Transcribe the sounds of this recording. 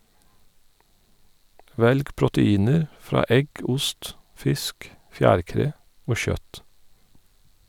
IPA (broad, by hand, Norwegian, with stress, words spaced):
ˈʋɛlɡ pɹʊtəˈiːnəɾ ˈfɾɑː ˈɛɡ ˈʊst ˈfɪsk ˈfjæːɾˌkɾeː ˈoː ˈçœt